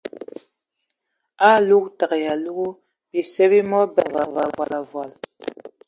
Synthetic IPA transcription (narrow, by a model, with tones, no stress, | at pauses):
a˦lu˦k̚ta˨kja˨lu˦ɣu˦ | bi˨sɛ˦bi˦mɔ˦bɛ˨va˨va˨vwa˨la˨vwa˨l